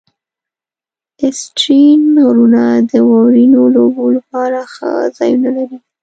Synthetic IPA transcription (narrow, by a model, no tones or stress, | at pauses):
ɪsʈɾinɾunad̪əwɑwɾinolobolapɑɾaxa̰zɑjunalaɾi